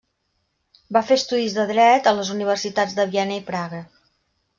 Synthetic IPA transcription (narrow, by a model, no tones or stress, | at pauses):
bafeəst̪uðizðəðɾɛt̪ələzuniβ̞ərsit̪ad͡zd̪əβiɛnəipɾaɣə